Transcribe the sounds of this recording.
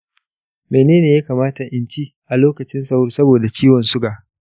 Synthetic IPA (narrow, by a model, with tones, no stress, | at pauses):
meː˨neː˦neː˨ja˦kaː˨maː˦ta˨ʔɪ˨nt͡ʃiː˦ | ʔa˨loː˦kɐ˨t͡ʃɪ˦nsɐ˨wʊ˦rsɐ˦boː˨da˨t͡ʃiː˦wɔ˨nsʊ˦ɡaː˨